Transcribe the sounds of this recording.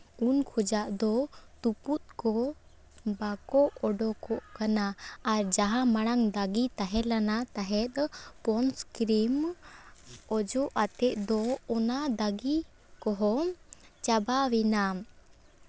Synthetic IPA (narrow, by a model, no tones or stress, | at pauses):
unkʰɔd͡ʒaʔd̪ɔt̪uput̪̚kɔ | bakɔɔɖɔkɔʔkanaːɾd͡ʒaɦamaɽ̃aŋd̪aɡit̪aɦɛlanat̪aɦɛt̪̚pɔnskɾim | ɔd͡ʒɔʔat̪ɛʔ̪̚ˀd̪ɔɔnad̪aɡi | kɔɦɔt͡ʃabawina